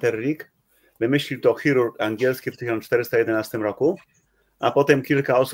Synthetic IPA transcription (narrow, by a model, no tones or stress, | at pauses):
t̪ɛrːik | vemeʃlit̪oxiɾuɾaŋɡjɛlskiɾt̪içɾant͡ʃt̪ɛɾst̪aed̪enast̪emɾaku | a̰pɔt̪ɛmkilkaos